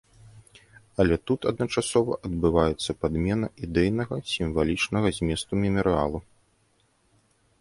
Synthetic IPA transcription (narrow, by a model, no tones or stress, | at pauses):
ɐlʲɛt̪ut̪ɐd̪nɐt͡ʂasɔvɐ̰ʔɐd̪̚bɨvajɛt̪sːɐpad̪mʲɛnɐid̪ɛjnɐɣɐsʲimvalʲit͡ʂnɐɣɐzʲmʲɛst̪umʲɛmɐɾɨalˠu